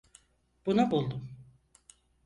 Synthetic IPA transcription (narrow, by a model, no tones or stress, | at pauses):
b̥unabulˠd̪um